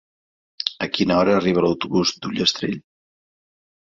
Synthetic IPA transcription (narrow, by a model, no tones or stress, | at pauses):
əkinəɔɾəːriβələwt̪uβuzd̪uʎəst̪ɾeʎ